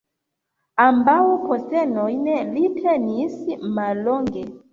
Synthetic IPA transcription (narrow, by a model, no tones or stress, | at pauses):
ambawɔpʰɔsɛnɔinɛlipʰɛnisimalɔŋɡɛ